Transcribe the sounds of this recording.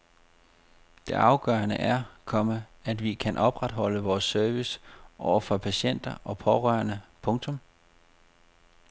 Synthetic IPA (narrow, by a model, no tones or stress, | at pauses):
d̥e̝ʔɑ̈ʊɡ̥ɶːɐnəʔæɐkʰɒ̽məæd̥ʋikʰænʔɒ̽b̥ʁad̥ɦɒ̽l̰əʋɒːsːøɐʋisʔɒʊ̰ɐfɒpʰæɕen̰d̥ɐʔɒ̽pʰɒʁɶɐnəpʰɔ̽ŋt͡sʰɔ̽m